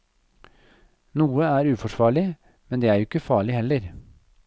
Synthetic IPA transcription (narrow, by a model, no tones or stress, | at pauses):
nuːəæːɾʉːfɔʂʋɑːɭɪ | mɛnd̪eːæːɾjʊɪkːəfɑːɭɪhɛlːəɾ